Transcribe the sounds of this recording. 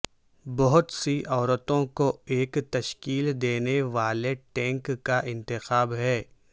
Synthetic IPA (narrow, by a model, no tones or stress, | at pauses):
bɐɦʊt̪siʔɔːɾət̪õkoeːkt̪ɐʃkiːld̪eːneʋaːleʈɛ̃ːŋkːaʔɪ̃nt̪ɪxaːbɦɛː